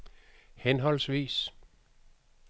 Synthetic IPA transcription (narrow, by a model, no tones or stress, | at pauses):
henɦɒ̽l̰sʋḭːs